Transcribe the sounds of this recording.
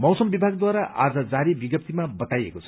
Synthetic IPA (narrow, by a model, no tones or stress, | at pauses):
mʌwsʌmbibʱaɡ̚d̪waɾaʔa̰d͡zʌd͡zaɾibiɡʌp̚t̪imabʌt̪ajḛkot͡sʰʌ̥